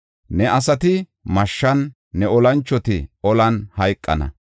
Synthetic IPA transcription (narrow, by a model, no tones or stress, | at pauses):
nɛʔɐsɐt̪ɪ | mɐʃːɐnː | ɛɔlɐnt͡ʃːɔt̪ɪ̰ɔlɐnhɐjkʼːɐ̰nɐ̰